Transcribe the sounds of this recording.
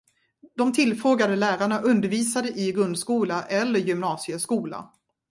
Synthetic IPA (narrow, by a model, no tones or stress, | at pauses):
d̪̥ɔmt̪ʰɪlfɾoːɡad̪əlæːɾaɳaʔɵnd̪əɾviːsad̪əʔɪɡɾɵnd̪skuːlaʔɛlːəɾjʏmnɑːsɪəskuːla̰